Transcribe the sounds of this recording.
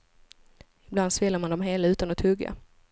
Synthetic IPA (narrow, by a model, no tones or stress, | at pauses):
ɪbland̪svɪlːaɾmand̪ɔmɦeːlaʉ̟ːt̪anɔt̪ʰɵɡːa̰